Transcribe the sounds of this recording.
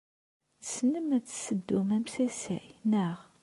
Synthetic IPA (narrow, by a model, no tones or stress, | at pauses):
t͡sə̥snəmæt͡sːsəd̪ːʊmæmsæsæ̰jnəʁ